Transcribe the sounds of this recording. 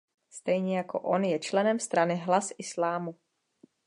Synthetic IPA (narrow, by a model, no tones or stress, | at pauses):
st̪ɛjɲɛjako̞̰ʔonjɛt͡ʃlɛnɛmst̪ɾanɪɦlasʔɪslaːmu